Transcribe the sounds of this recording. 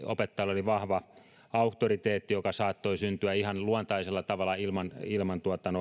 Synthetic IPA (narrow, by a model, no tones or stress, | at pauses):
opet̪ːɑloliʋɑhʋɑ | ɑuht̪orit̪eːt̪ːijokɑsɑːt̪ːoisynt̪yæihɑnluɑnt̪ɑiselːɑt̪ɑʋɑlːˑɑilmɑnilmɑnt̪uɑt̪ːˑɑno